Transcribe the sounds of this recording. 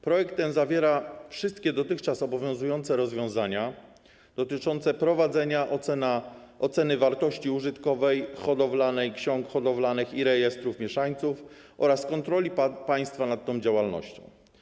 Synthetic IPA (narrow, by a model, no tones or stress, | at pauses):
pɾɔjɛkt̪ːɛnzavʲjɛɾafʂɘst̪kʲɛd̪ɔt̪ɘxt͡ʂasɔbɔvʲjɔ̃w̃zujɔnt̪sɛɾɔzvʲjɔ̃w̃zaɲa | d̪̥ɔt̪ɘt͡ʂɔnt̪sɛpɾɔvad̪zɛɲanaʔɔt̪sɛnɘvaɾt̪ɔɕt͡ɕiuʐɘt̪kɔvɛjxɔd̪ɔvlanɛjkɕɔŋkxɔd̪ɔvlanɘxiɾɛjɛst̪ɾufmʲjɛʂaɲt̪suf | ʔɔɾaskɔnt̪ɾɔlʲipaj̃st̪fanat̪ːɔ̃w̃d͡ʑawalnɔ̰ɕt͡ɕɔ̰̃w̃